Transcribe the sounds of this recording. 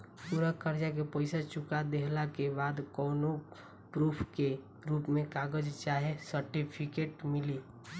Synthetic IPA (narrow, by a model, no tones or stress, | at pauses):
suɾəkəɾd͡ʒakepəɪsat͡ʃʊkad̪eɦlakebaːd̪kɔːno | pɾuːpʰke | ɾuːpmẽkaːɡəd͡ʒt͡ʃaːɦesəɾʈipʰɪkeːʈmɪli